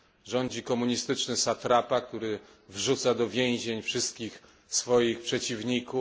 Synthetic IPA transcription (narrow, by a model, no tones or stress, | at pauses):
ʐɔɲd͡ʑikɔmuɲist̪ɘt͡ʂnɘsat̪ɾapak̚t̪uɾɘ | vʐut̪sad̪ɔvʲjẽw̃ʑeɲfʂɘst̪̚kʲix | sfɔjixpʂɛt͡ɕivɲiku